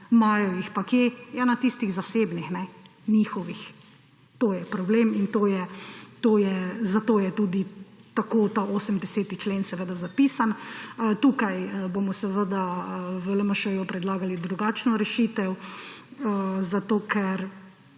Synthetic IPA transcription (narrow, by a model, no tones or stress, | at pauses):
maːjɔjixpakjejanat̪ist̪iɣzaseːbnixnɛnixɔʋix | t̪oːjɛpɾɔbleːmint̪oːjɛt̪oːjɛzat̪oːjɛt̪uːd̪it̪akoːt̪aoːsəmd̪ɛseːt̪it͡ʃleːnsɛʋəd̪azapiːsanət̪uːkajəbomɔsɛʋəd̪aʋələməʃəʋjɔpɾɛd̪laːɡalid̪ɾuɡaːt͡ʃnɔɾɛʃit̪ɛw | əzat̪oːkɛɾ